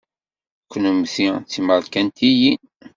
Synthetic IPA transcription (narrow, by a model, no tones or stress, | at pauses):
kʷːnumθit͡sːiməɾkænt̪ʰijin